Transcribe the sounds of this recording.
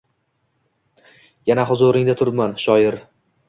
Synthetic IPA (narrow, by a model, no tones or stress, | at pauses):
janaɦʊzʊɾɪŋd̪at̪ʰʊɾmanʃɒjɪɾ